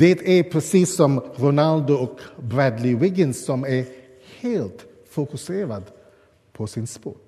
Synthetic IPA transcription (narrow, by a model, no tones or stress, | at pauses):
d̪̥ɛt̪ʰæɾpʰɾɛsiːsɔmɾʊnald̪ʊɔkbɾɛd̪lɪwɪɡənsːɔmæɾ | heːlt̪ | fʊkʉseːɾad̪ | pʰɔsɪnspo̰ːɾ